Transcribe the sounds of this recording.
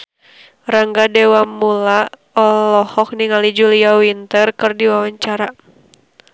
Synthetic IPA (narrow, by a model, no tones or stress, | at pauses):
raŋɡadɛwamːula | ɔlɔhɔk̚niŋalid͡ʒuliawint̪ərkɨrdiwawaɲt͡ʃaɾa